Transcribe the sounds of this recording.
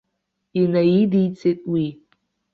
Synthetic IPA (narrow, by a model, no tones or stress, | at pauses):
inajidijt͡sʰʼetʼwi